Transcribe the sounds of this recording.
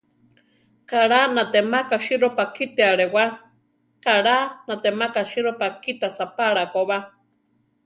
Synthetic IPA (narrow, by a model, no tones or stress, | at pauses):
kaɺanãt̪emakaʃiɾopakit̪eaɺewa | kaɺanat̪emakaʃiɾopakit̪asapaɺakoβa